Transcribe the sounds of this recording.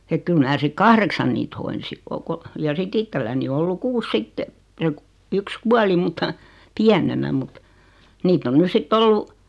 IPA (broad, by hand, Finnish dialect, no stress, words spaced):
ek kyl mnæː sik kɑhreksɑn niːt hoinsi o ko jɑ sitː ittelːæni o olːu kuːs sitːe se yks kuɑli multɑ piænenæ mut niːtː on nys sitː olːu